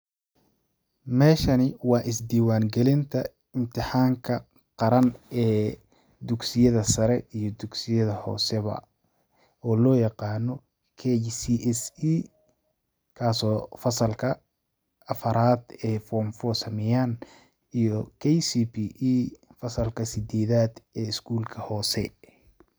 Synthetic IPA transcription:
mɛːʃɐnɪwɑːʔɪsd̪iːwaːŋɡɛlɪnt̪ʰɐ | ɪmt̪ʰɪħaːŋkʰɐ | qɑɾɐnɛː | d̪ʊɡsɪjɐðɐsɐɾɛijɔd̪ʊɡsɪjɐðɐhɔ̰ːsɛβɐ̰ | ɔːlɔːjɑqɑːnɔ | kʰɛsiʔɛsi | kʰaːsɔːfɐsɐlkʰɐ | ɐfɐɾaːd̪ɛːfɔmfɔsɐmɛjaːn | ijɔkʰɛjsiːpʰiʔiːfɐsɐlkʰɐsɪd̪ɛːðaːd̪ɛːɪskʰuːlkʰɐhɔːsɛ̰

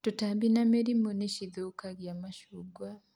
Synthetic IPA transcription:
tutambinameɾimuneʃiðukaɡjamaʃuːɡwa

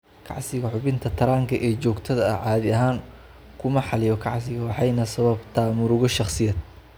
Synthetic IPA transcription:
kʰɑ̰ʕsɪɣɐħʊβɪnt̪ʰɐt̪ʰɐɾaːŋkʰɐʔɛːt͡ʃɔːɡt̪ʰɐðɐʕɑːðɪɐɦaːŋ | kʰʊmɐħɑlɪjɔkʰɑʕsɪɣɐwɑħɑjnɐsɐβɐbt̪ʰaːmʊɾʊɣɔʃɑχsɪjɐd̪̚

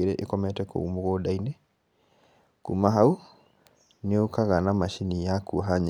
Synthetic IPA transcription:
eɾɛʔikɔmɛtɛko̰umuɣɔdainɛ | kumaɦau | neokaɣanamaʃinijakʰuɦaɲ

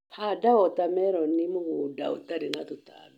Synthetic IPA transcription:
pʰadaɔt̪amɛɾɔnimuhuda̰ṵt̪aɾinat̪ut̪a̰nu

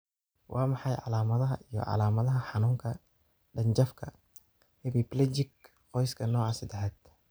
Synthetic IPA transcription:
wʔɑːmɑħɑjʕɑ̰laːmɐðɐɦɐʔijɔ̰ʕɑ̰laːmɐðɐɦɐħɑnuːŋkʰɐ | ɖɐɲt͡ʃɐfkʰɐ | hɪbɪplɛd͡ʒɪk | qɔjskʰɐnɔːʕɑsɪd̪ɛħaːd̪̥

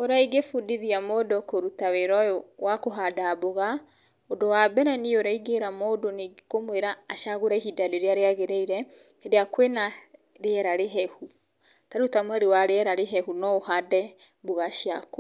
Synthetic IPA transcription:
oɾaiɡefudiðiamodɔkoɾutaweɾɔjɔwakoɦadaboɣa | odowabɛɾɛnioɾaiɡeɾamodonikomweɾaːʃaɣoɾaiɦidaleɾeaɾeaɣeɾeiɾɛ | edeakwena | ɾeɛɾaɾeɦɛhu | taɾutamwaɾewaɾeɛɾaɾeɦɛhunɔohadɛ | boɣaʃiako

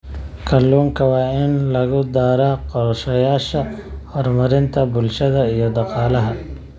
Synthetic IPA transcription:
kʰɐlːuːŋkʰɐwaːɪnlɐɣʊd̪aːɾɐqɔɾʃɐjaːʃɐɔɾmɐɾɪnt̪ʰɐbʊlʃɐðɐijɔd̪ɐqɑːlɐɦɐ

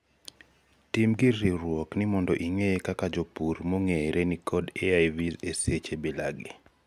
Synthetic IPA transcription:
timɡɪɾiɾwɔknɪmɔndɔʔiŋejekakad͡ʒopuɾmoŋeɾʔenikʰɔdeajvizeset͡ʃebela̰ɡḭ

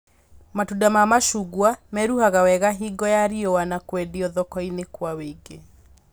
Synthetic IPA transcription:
matudamamaʃuɡwamɛɾuhaɣawɛɣaɦiɡɔjaɾiowanakwɛdiɔðɔkɔinekwaweiɡe

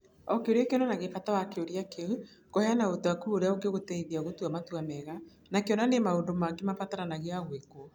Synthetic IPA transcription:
ɔkeoɾakeɔnanaɣefatawakeoɾiakewekoheanaotoakuoɾeaoɡeɣotɛiðiaɣotuamatuamɛɣa | nakeɔnanemaondomaŋɡemafataɾanaɣeaɣweko

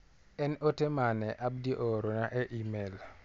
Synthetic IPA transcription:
ɛnotemanɛʔab̚diʔɔɾonaʔɛʔimel

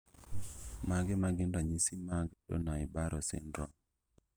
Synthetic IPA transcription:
maɡɛmaɡɪndaɲisimaɡɗɔ̰naɪbaɾʔɔsɪ̰ndɾɔ

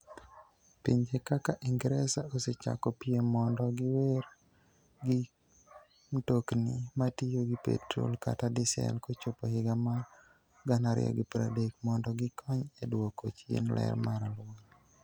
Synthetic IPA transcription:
piɲd͡ʒekakaʔiŋɡɾɛsaoset͡ʃa̰kɔpiemɔndɔɡɪwer | ɡɪ | mtoknimatijoɡipḛtɾo̰lka̰tadɪsɛ̰lkot͡ʃopohɪɡama | ɡanaɾɪ̰jɔ̰ɡɪpɾa̰dekmɔndɔɡɪkʰɔɲedwokot͡ʃɪ̰nlɛ̰rmaɾalwal

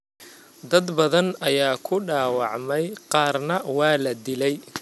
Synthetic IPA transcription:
d̪ɐd̪bɐðɐnɐjaːkʰʊɖaːwɑʕmɛjqɑːrnɐwɑːlɐd̪ɪlɛj

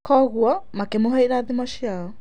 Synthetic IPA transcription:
kɔːɣuɔmakemoɦaiɾaːðimaʃiaɔ

